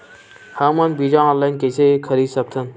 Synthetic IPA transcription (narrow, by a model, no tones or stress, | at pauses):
hãmɐnbiːd͡ʒãɔ̃ːnlainkesekʰəɾiːsək̚t̪ʰən